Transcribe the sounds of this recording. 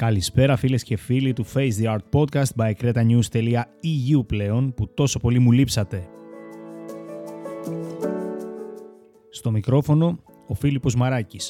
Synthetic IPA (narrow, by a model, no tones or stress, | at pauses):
kɐlispe̞ɾɐfile̞scefilit̪ufe̞jsðiɐɾt̪̚po̞d̪̚kɐst̪̚bɐekɾe̞t̪ɐɲust̪e̞liɐiʝiuple̞o̞nput̪o̞so̞po̞limulipsɐt̪e̞ | st̪o̞mikɾo̞fo̞no̞ | ofilipo̞zmɐɾɐcis